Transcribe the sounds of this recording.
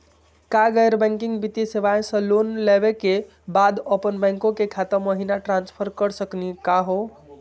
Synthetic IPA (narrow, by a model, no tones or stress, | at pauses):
kaɡəjɾbɛ̃ŋkiŋɡbit̪iseʋaẽsə̃lonlebeke | bad̪əpənbɛ̃ŋkõkekʰat̪əɾməɦinaʈɾãnspʰəɾkəɾsəknikaɦo